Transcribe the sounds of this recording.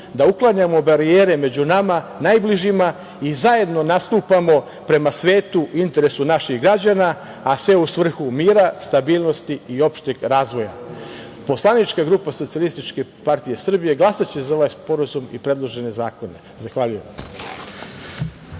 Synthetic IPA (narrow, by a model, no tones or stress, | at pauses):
d̪auklˠaɲamo̞baɾieːɾe̞me̞d͡ʑunamanajbliʒima | izaje̞d̪no̞nast̪uːpamo̞ | pɾe̞masʋe̞ːt̪uint̪e̞ɾe̞sunaʃiɣɡɾad͡ʑanaː | sʋe̞usʋr̩xumiːɾast̪abiːlˠno̞st̪iːo̞pʃt̪eɡɾaːzʋo̞ja̰ | po̞slˠanit͡ʃkaɡɾupaso̞t̪sialˠist̪it͡ʃke̞paɾt̪ije̞sr̩bije̞ɡlˠasat͡ɕe̞zao̞ʋajspo̞ɾazumḭpɾe̞d̪lˠo̞ʒe̞ne̞zaːko̞ne̞ | zaxʋaʎujem